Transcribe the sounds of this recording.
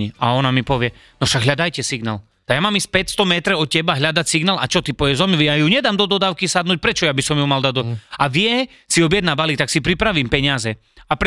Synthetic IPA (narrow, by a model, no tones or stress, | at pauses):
ia̰ɔnamipɔʋɪɛ | nɔfʃaɡɦʎad̪ajcɛsiɡnaːl | t̪aɡjamamispɛcst̪ɔmɛt̪ɾɛɔt̪cːɛbaɦʎad̪acsiɡnaːla̰t͡ʃɔt̪ipɔʋjɛzɔmiʋijajuɲɛd̪aːmd̪ɔd̪ɔd̪aːʊkisad̪nuːc̚pɾɛt͡ʃɔjabisɔmjumald̪ad̪ɔaʋɪɛ | siɔbjɛd̪nabalik̚t̪aksipɾipɾaʋimpɛɲɪazɛ | ap